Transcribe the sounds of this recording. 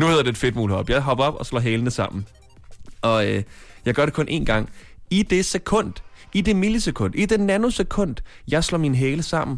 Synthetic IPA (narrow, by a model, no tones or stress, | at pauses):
nuhe̝ðˠɐd̥e̝ed̥fe̝d̥muːlhɒ̽b̥jɑ̈ɪɦɒ̽b̥ɐɒ̽b̥ɒ̽slɒ̰ːɦɛːlənəsɑ̈m̰n̩ | ɒ̽øjɑ̈ɪɡ̥ɶɐɾe̝kʰɔ̽nʔe̝ːnɡ̥ɑ̈ŋ̰id̥e̝sekʰɔ̽n̰d̥id̥e̝miləsekʰɔ̽n̰d̥id̥enænəsekʰɔ̽n̰d̥jɑ̈ɪslɒ̰ːminɦɛːləsɑ̈m̰n̩